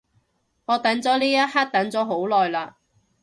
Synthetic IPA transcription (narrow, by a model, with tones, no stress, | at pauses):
ŋɔː˨˧t̪ɐ˨˥nt͡sɔː˨˥liː˥jɐ˥t̚haː˥t̚t̪ɐ˨˥nt͡sɔː˨˥ɦo˨˥wlɔː˨jlaː˧